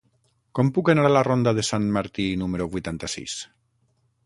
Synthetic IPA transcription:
kɔmpukanaɾalarond̪aðesanmaɾt̪inumeɾuβujt̪ant̪asḭs

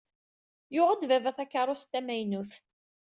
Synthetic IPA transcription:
jʊʁəd̪vævæθækːɑɾˤʊst̪ːæmæjnuθ

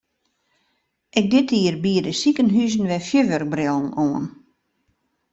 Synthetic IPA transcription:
ʔɛk̚dɪtʰiərbiədəsikənɦyzən̩ʋɛfjøʋørk̚brɪlˠn̩oən

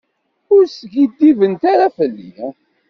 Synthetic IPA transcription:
ʊɾsɡid̪ːivənt̪aɾafəlːḭ

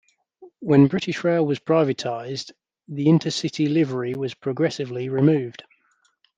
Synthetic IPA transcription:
wə̃nbɹɪtɪʃɹɛɪlˠwɒz̥pʰɹ̥aɪvətʰaɪz | ðiɪ̃ntʰəsɪtʰilɪvəɹiwɒz̥pʰɹ̥əɡɹɛsɪvliɹɪmʉːvd̥

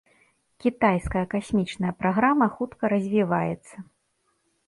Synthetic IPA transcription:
kʲit̪ajskɐjɐkasʲmʲit͡ʂnɐjɐpɾaɣɾamɐxut̪kɐɾɐzʲvʲivajɛt̪sːɐ

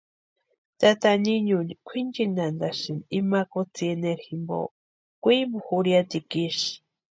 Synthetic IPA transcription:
t̪at̪aniɲunikʷʰind͡ʒinand̪aʃinimakot͡sieneɾximbo̰ | kʷimboxuɾjat̪ikiʃi̥

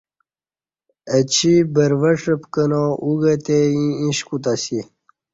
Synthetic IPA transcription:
ət͡ɕʰibəɾvəʂəpkənõuɡət̪eĩĩɕkut̪asi

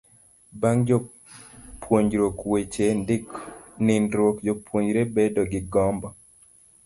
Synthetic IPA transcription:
baŋd͡ʒɔ | pwoɲd͡ʒɾokwet͡ʃendɪknɪnɾwokd͡ʒopwoɲd͡ʒɾebedɔɡɪɡɔmbɔ

